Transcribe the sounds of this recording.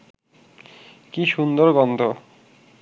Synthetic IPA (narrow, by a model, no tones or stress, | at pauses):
kiʃund̪oɾɡɔnd̪ʱo